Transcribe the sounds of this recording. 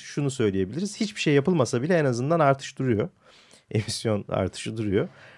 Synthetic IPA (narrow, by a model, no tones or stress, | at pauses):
ʃunusø̞jlʲije̞biiɾiz̥hit͡ʃbiʃejːapɯlˠmasabilʲɛenazɯnd̪anaɾt̪ʰɯ̥ʃd̪uɾujo̞ | e̞misjo̞na̰ɾt̪ʰɯ̥ʃɯd̪uɾujo̞